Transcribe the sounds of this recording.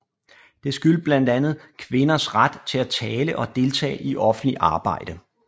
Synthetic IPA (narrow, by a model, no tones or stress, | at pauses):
d̥e̝sɡ̥yl̰̥̚b̥læn̰d̥ænð̞̩ˠkʰʋe̝nɐsʁad̥t͡sʰe̝læt͡sʰɛːləʔɒ̽d̥e̝lt͡sʰɛ̰ːʔiʔɒ̽fn̩̥liʔɑ̈ːb̥ɑ̈ɪ̰d̥ə